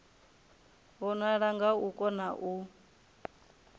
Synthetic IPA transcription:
βɔnaɺaŋɡaukʼɔnaʔu

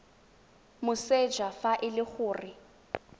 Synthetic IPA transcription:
mʊsed͡ʒafaʔɪlɪk͡xʊːrɪ

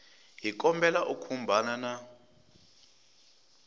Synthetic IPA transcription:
ɦik̬ʼɔmbɛlaʔukʰumbʱanana

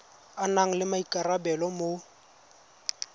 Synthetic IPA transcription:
anaŋ̩lɪmaikʼarabɛlɔmo

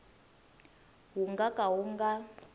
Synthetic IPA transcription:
ɦuŋɡakʼawuŋɡa

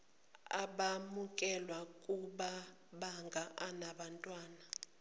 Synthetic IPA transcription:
a̰ɓamukʼɛlwakʼuɓa | ɓaŋɡʱaʔanaɓantʼwaːna

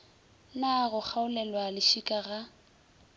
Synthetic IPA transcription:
naɣʊk͡xʰaʊlɛlwalɪʃikʼaɣa

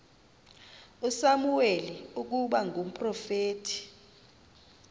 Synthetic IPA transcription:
usamuweliuk̬uɓaŋʱum̩pʼrɔfeːtʰi̥

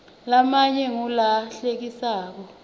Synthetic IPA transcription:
lamaɲɛŋulaɬek̬isaːk̬ɔ

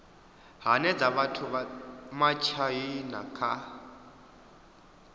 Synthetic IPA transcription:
ɦanɛd͡zaβatʰumat͡ʃʰajina̰kʰa

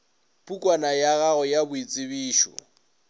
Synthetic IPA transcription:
pʼukʼwanajaɣaɔjabʊit͡sʼɪβiːʃɔ̰

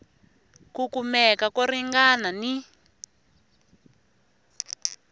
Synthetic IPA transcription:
kukumɛkakɔɾiŋɡanani

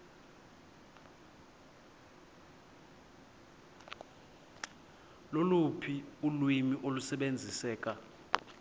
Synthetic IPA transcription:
lolupʰiulwimiʔolusɛɓend͡zʱisɛːkʼa

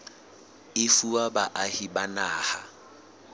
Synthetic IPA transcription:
ɪfuwabaʔahibanaːha

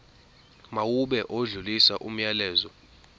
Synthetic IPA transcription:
mawuɓɛʔoɮulisaʔum̩jalɛːzɔ

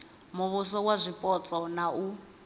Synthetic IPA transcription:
muβusɔk̬wazʷipʼɔt͡sʼɔnau

